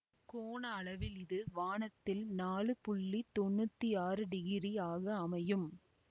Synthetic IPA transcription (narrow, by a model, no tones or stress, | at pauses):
koːɳɐːɭɐʋɪlɪðɯʋaːɳɐt̪ːɪlnaːɭɯpʊɭːit̪ɔɳːɯt̪ːiaːɾɯɖɪɣɪɾijaːɣɐːmɐjɯm